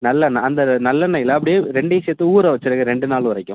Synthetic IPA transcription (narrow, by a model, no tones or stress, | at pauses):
nɐlːɐnɐnd̪ɐnɐlːɐnɐjɪlɐɐp̬ːɐɽɪjeːɾɛɳɖɐseːt̪ːɯuːɾɐʋɐt͡ʃːɪɾɐkɯɾɛɳɖɯnaːlʋɐɾɐkːʊ̃